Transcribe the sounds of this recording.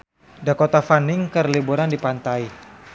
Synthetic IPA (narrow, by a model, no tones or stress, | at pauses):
dakot̪afanɪŋkərlibuɾandipant̪ai